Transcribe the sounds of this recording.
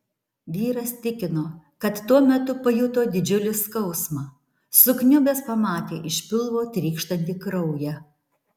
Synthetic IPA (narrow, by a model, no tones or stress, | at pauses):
ʋʲiːɾɐst̪ʲɪkʲɪnoː | kɐt̪ːuɔmʲɛt̪ʊpɐjʊt̪oːd̪ʲɪd͡ʒʲʊlʲɪskɒʊsmɑ | sʊknʲʊbʲɛːspɐmɑːt̪ʲeːʔɪʃʲpʲɪlˠʋoːt̪ʲɾʲiːkʃt̪ɐnʲt̪ʲiːkɾɐʊjɛ